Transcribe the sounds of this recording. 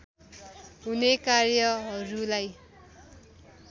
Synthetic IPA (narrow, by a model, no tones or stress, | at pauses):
ɦunekarjʌɦʌɾulaj